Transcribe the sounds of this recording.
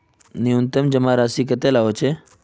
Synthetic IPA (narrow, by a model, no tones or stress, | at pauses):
niunt̪əmd͡ʒəmaɾaːsikət̪elaɦot͡ʃʰe